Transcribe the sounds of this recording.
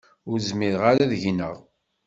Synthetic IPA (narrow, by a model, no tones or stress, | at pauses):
ʊɾzmiðʁaɾaðʝnəʁ